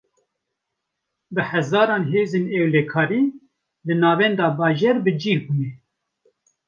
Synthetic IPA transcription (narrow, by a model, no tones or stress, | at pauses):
bɨhæzɑːɾɑːnɦeːzeːnɛwlɛkʰɑːɾiː | lɨnɑːvɛnd̪ɑːbɑːʒeːɾbɨd͡ʒiːɾbuːnɛ